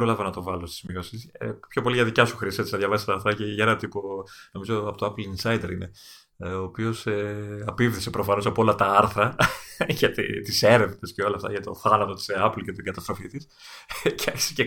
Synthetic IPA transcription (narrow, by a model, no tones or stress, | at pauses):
ɾolɐvɐnɐt̪o̞vɐlo̞st̪i̥zmiɣosispço̞po̞liʝɐðicɐsuxɾisiset͡sinɐðʝɐvɐsist̪ɐɾθɾɐceʝɐenɐt̪ipono̞mizo̞ɐpo̞t̪oɐplinsɐjd̪e̞ɾine̞ | oːpio̞seɐpivðisepɾo̞fɐno̞sɐpoo̞lɐt̪ɐɐɾθɾɐʝɐt̪ḭt̪ise̞ɾe̞vnesceo̞lɐːft̪ɐ̰ʝɐt̪o̞θɐnɐt̪o̞t̪i̥sɐplcet̪iɡɐt̪ɐst̪ɾo̞fit̪is | ceɐçi̥sece